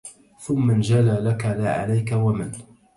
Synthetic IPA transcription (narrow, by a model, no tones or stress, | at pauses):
θʊmːand͡ʒalaːlakalaːʕa̰lajkawaman